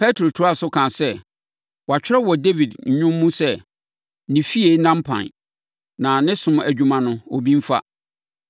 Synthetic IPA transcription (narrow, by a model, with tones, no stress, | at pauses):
pʰɛ˦tʰɾo˨tʰʊ˨˦a˦˨sʊ˦kʰã˨sɛ˦ | wɔ˨a˨t͡ɕᶣɪ˦ɾɛ˦wɔ˨de˦vi˨dɲ̩˨˦ɲʊ̃˦mːũ˦sɛ˦ | nɪ̃˨fi˦e˨˦nã˦m˦pʰã̰˨n | nã˨nɪ̃˦sʊ̃˦mæ˨d͡ʑᶣũ˨˦mã˨nʊ̃˦o˨bĩ˦m̩˦fa̰˦